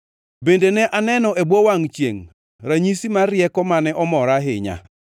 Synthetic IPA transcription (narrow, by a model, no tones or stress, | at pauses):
bendenɛʔanɛnɔʔebwowaŋt͡ʃjḛŋ | ɾaɲisimaɾjɛkɔmanɛʔɔmɔɾaɦɪɲa̰